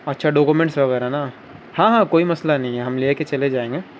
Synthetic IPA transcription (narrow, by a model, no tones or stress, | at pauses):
ɐtːʃʰaɖoːkumẽɳʈsʋɐɣɛːɾana | hãːɦãːkoːimɐslanɐɦĩɦɛɦɐmleːket͡ʃɐled͡ʒaːẽːŋɡeː